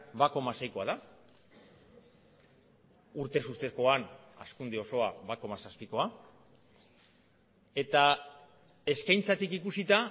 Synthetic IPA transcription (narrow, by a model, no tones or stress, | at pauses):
bako̞mase̞jko̞aða | uɾt̪e̞sust̪e̞ko̞ana̰skund̪eo̞so̞aβako̞masaspiko̞a | e̞t̪a | e̞skajnt͡sat̪ikikusit̪a